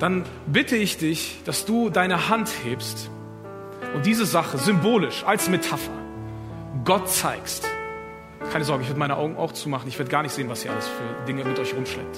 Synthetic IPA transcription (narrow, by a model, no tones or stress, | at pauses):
d̥an | bɪtʰəɪçd̥ɪçd̥asd̥uːdaɪnəhantheːpst | ʔʊntd̥iːzəzaχəzʏmboːlɪʃalsmetʰafɐ̰ | ɡɔtt͡saɪkst | kʰaɪnəzɔɐɡŋəɪçvɪɐdəmaɪnəʔa̰ʊɡŋ̩ʔa̰ʊxt͡suːmaχn̩ɪçveːɐdəɡaːɐnɪçtz̥eːənvasiːɐʔa̰ləsfyːɐdɪŋəmɪtʔɔʏçʁʊmʃlɛ̰k̚t